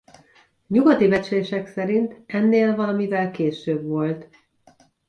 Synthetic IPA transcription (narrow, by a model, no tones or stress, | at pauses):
ɲuɡɒt̪ibɛt͡ʃleːʃɛksɛɾint̪ɛnːeːlvɒlɒmivɛlkeːʃøːbʋo̞lt̪